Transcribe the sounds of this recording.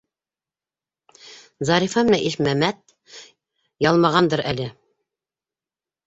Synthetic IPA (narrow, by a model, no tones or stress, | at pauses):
zɑɾifɑmɘ̆næʔiʃmæmæt̪̚ | jɑlˠmɑʁɑnd̪ɤɾʔælɘ